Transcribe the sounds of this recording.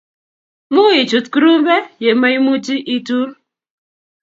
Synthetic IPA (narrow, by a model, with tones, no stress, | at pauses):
mu˦i˨t͡ʃu˨tkɾu˦m˦be˦je˨ma˦i˦mu˦d͡ʒi˦ʔi˦tu˦ɾ